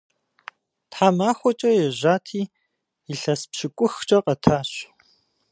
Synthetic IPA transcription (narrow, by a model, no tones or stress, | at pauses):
tħaːmaːxʷɔt͡ʃʼɐjɛʑaːtʰiː | iɬɐspɕɪkʷʼʊxt͡ʃʼɐqɐtʰaːɕ